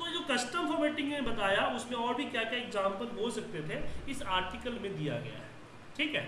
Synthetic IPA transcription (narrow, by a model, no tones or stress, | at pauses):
t̪od͡ʒoːkɐsʈəmfɔːɾmeːʈɪ̃ŋɡnẽbɐt̪aːjaʊsnẽɔːɾbʱikjakjaɪkzaːmpɐɾboːlsɐk̚t̪et̪ʰeɪsaːɾʈɪkəlmẽd̪ija̰ɡɐ̰ja̰ɦɛː | ʈʰiːkɦɛː